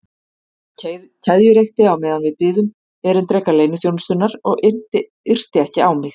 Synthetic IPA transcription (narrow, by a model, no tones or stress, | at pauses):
cʰaðjʏɾejxt̪ɪawmɛːðanvɪðpɪːðʏm | ɛɾʏmt̪ɾɛkːaleːjnʏθjownst̪ʏnːaɾɔɣ | ʏr̥t̪ɪɛhcɪawmɪx